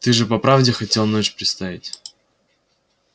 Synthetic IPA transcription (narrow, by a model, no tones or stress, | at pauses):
t̪ɨʐɨpɐpɾavdʲɪxɐtʲelˠnot͡ɕpɾʲɪt̪st̪avʲɪtʲ